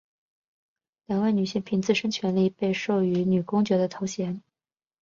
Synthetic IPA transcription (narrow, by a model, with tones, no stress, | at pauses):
ljɑ˨˥ŋwa˥˩ɪny˨˩ɕi˥ŋpʰi˧˥ŋt͡sɹ̩˥˩ʂə˥ŋt͡ɕʰɥɛ˧˥nli˥˧pe˥˧ɪʂo˥˩ʊy˧˥ny˨˩kʊ˥ŋt͡ɕɥɛ˧˥d̪ə˧t̪ʰo˧˥ʊɕjɛ˧˥n